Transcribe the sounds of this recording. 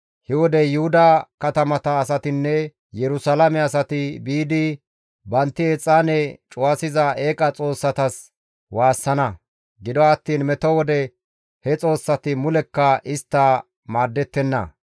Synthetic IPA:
hɛwɔd̪ɛjʊhʊd̪ɐkɐt̪ɐmɐt̪ɐːs̬ɐt̪ɪnːɛ | jɛɾʊsɐlɐmɛɐsɐt̪ɪbiːd̪ɪ | bɐnt̪ːɪet͡sʼːaːnɛt͡ʃʼʊwasɪzɐe̞ːkʼɐt͡sʼo̞ːsːɐt̪ɐs | waːsːɐnɐ | ɡɪd̪ɔɐt̪ːiːnmɛt̪ɔwɔd̪ɛ | hɛt͡sʼo̞ːsːɐt̪ɪmʊlɛkːɐʔɪst̪ːɐ | maːɾd̪ːɛt̪ːɛnːɐ̰

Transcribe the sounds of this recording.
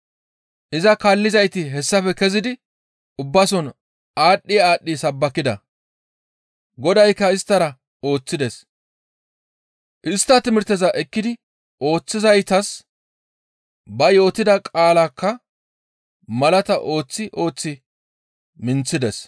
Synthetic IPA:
ʔɪzɐkaːlːɪzɐjt̪ɪɦɛsːɐfɛkɛzɪd̪ɪ | ʔʊbːɐsɔn | aːɗːɪjaːɗːisɐbːɐkːɪd̪ɐ | ɡɔd̪ɐjkːɐɪst̪ːɐɾɐ | o̞ːt͡sːɪd̪ɛs | ʔɪst̪ːɐt̪ɪmɪɾt̪ːɛzɐʔɛkːɪd̪ɪ | ʔo̞ːt͡sːɪzɐjt̪ɐs | bɐjo̞ːt̪ɪd̪ɐkʼaːlakːɐ | mɐlɐt̪ɐʔo̞ːt͡sːɪʔo̞ːt͡sːɪ | mɪnt͡sːɪd̪ɛs

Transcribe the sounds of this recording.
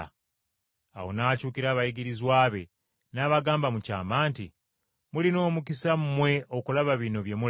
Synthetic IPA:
a̰wo̞nacuːkiɾaːβajiɡiɾizwaːβe̞ | naːβaɡaːmbamuca̰ːmaːnti | mulino̞ːmukisammwe̞o̞kulaβaβino̞βje̞mu

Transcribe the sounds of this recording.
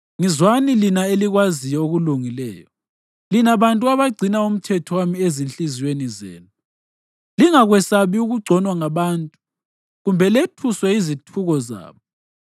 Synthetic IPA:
ŋizwanilinaeliɣwazijɔoɣuluŋilɛ̰ːjɔ | linaβantʼuaβaɡ͡ǀʱinaum̩tʰɛtʰɔwamiezint͡ɬʼiziwenizḛːnu | liŋaɣwɛsaβiuɣuɡ͡ǀʱɔnwaŋaβantʼu | ɣumbʱɛletʰuswɛizitʰuɣɔza̰ːβɔ

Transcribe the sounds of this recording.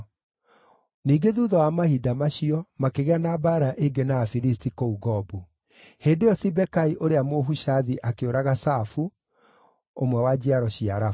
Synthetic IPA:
niːɡeðuðɔwamahidamaɕiɔmakeɣeanaːbaːɾaʔeɡenaːfiɾistikouɣɔbu | heːndejɔsibɛkaiʔoɾeamoɦuʃaðiʔakeoɾaɣasafu | omwɛwad͡ʑiaɾɔɕiaɾa

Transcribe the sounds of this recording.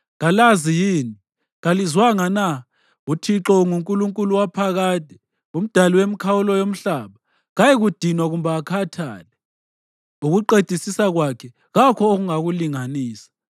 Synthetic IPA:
ɣalazijiːni | ɣalizwaŋana | utʰiǁɔŋuŋkʼuluŋkʼuluwapʰaɣaːtɛ | um̩d̥ʱaliwem̩kʰawulɔjom̩ɬaːβa | ɣajeɣud̥ʱinwaɣumbaːkʰatʰa̰ːlɛ | uɣuǃed̥ʱisisaɣwakʰɛ | ɣakʰɔoɣuŋaɣuliŋaniːsḁ

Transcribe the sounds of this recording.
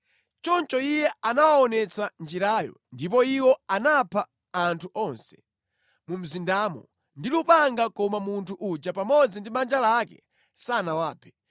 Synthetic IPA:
t͡ʃɔnt͡ʃɔijɛanawaɔnɛt͡sand͡ʒiɾaːjɔ̰ndip̬ɔiwɔanapʰaː | ntʰuʔɔnsɛ̥ | mum̩zindaːmɔ̰ | ndilupaŋɡakɔmamuntʰuʔud͡ʒapamɔd͡zindimand͡ʒalakɛ̰ | sanawaːpʰɛ̥

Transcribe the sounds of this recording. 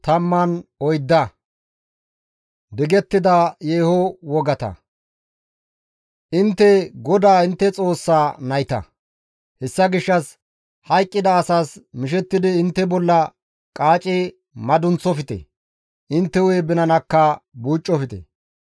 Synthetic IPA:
t̪ɐmːɐnɔjd̪ːɐ | d̪ɪɡɛt̪ːɪd̪ɐjeːhɔwɔɡɐt̪ɐ̰ | ʔɪnt̪ːɛɡɔd̪aːɪnt̪ːɛt͡sʼo̞ːsːaːnɐjt̪ɐ̰ | hɛsːɐɡɪʃːɐs | hɐjkʼːɪd̪ɐːsaːsmɪʃɛt̪ːɪd̪ɪːnt̪ːɛbɔlːɐ | kʼaːt͡ʃʼɪ | mɐd̪ʊnt͡sːɔfɪt̪ɛ̰ | ʔɪnt̪ːɛweːbɪnɐnɐkːɐbuːt͡ʃʼːɔfɪt̪ɛ̰

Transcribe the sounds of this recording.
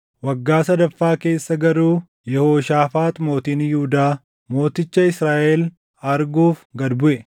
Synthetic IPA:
wɐɡːaːsɐd̪ɐfːaːke̞ːsːɐɡɐɾuː | jɛhoːʃaːfaːt̪ʼmo̞ːt̪injuːd̪aː | mo̞ːt̪ɪt͡ʃːɐɪsɾaːʔɛl | ɐɾɡuːfɡɐd̪bʊʔɛ

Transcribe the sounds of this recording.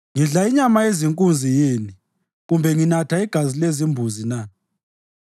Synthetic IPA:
ŋiɮaiɲamaeziŋkʼund͡zʱijini | ɣumbʱɛŋinatʰaiɡ̥ʱazilezimbʱuzina

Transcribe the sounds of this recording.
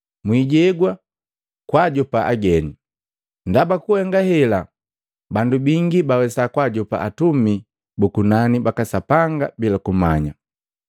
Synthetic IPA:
mwiɟɛɡwa | kwaɟɔpaʔa̰ɡɛni | ndabakuhɛŋɡahɛla | bandubiŋɡibawɛsakwaɟɔpa̰ʔatumi | bukunanibakasapaŋɡabilakumaɲa

